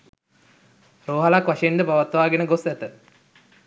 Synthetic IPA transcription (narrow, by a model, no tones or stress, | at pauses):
roːɦalakʋaʂɐjenɖəpaʋat̪ʋaːɡenəɡosæt̪ə